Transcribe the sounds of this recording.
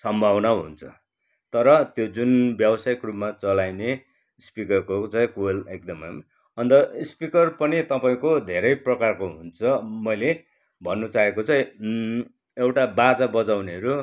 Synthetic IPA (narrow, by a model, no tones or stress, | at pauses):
sʌmbʱawnaɦṵnt͡sʰʌ̥̰ | t̪ʌɾʌt̪jod͡zunbjʌbʌsajkrupmat͡sʌlajne | spikʌrkot͡saĩkulek̚d̪ʌmʌm | ʌnt̪ʌspikʌrpʌnit̪ʌpaĩkod̪ʱeɾʌjprʌkarkoɦunt͡sʰʌmʌjle | bʱʌnːut͡saɦekot͡sãĩ | ewʈabat͡sabʌd͡zawneʌɾu